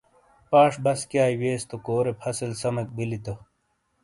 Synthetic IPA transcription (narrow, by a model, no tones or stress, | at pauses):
paːʂbɐskjaːiweːst̪okoːɾepʰɐsɐlsɐmɐk̚bilit̪ɐ